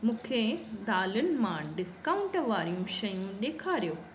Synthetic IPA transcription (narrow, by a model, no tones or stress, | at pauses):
mũːkʰed̪aːlʊnɪ̆mãɖɪskaːʊ̃ɳʈʋaːɾijũʃɐjũɗ̪eːkʰaːɾijoː